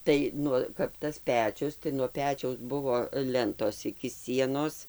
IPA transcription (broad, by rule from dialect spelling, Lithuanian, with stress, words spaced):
ˈtɐɪ ˈnʊ kɐp ˈtɐs ˈpʲæːt͡ʃʲʊs tɐɪ nuɔ ˈpʲæːt͡ʃʲɛʊs ˈbʊʋoː ˈlʲɛntoːs ɪkʲɪ ˈsʲiɛnoːs